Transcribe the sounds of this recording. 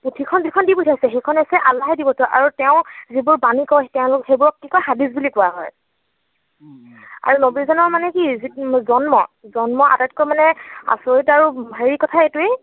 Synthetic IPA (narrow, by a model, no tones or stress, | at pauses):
putʰikʰɔnzikʰɔndibutʰasɛxejkʰɔnesɛʔalaɦɛdibɔtʊʔa̰ɹutɛʊ̃zibʊɹbanikɔjtɛʊ̃lʊxejbʊɹɔkːikɔjxadizbulikʊaɦɔ̰j | a̰ɹunobizɔnɔɹmanɛkizizɔnmɔ̰zɔnmɔʔa̰tatkɔjmanɛa̰soɹitaɹubʱaɹikɔtʰaetue